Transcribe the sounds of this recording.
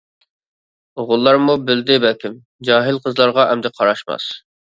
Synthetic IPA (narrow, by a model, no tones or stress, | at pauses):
ʁʊlˠːɑɾmubɪld̪ɪbɛlkʲɪm | d͡ʒɑːɦɪlqʰəzlˠɑɾʁɑʔɛmd̪ɛqʰɑɾɑʃmɑ̰s